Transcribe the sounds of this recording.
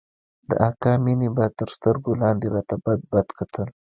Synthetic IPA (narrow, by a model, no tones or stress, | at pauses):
d̪ə̰ʔɑkɑminibat̪əɾst̪əɾɡolɑnd̪eɾɑt̪abad̪̚bad̪kat̪ʰəl